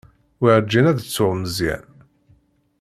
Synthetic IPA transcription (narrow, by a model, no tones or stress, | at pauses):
wiʕd͡ʒːinæðət͡sːʊʁməzjæ̰n